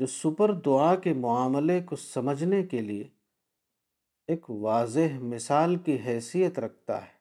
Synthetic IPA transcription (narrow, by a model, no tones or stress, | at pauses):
d͡ʒoːsʊpəɾd̪ʊakemʊaːmlekosɐməd͡ʒʱnekelie | eːkʋaːzɪɦmɪsaːlkiɦɛːsijət̪ɾɐk̚ʰt̪a̰ɦɛː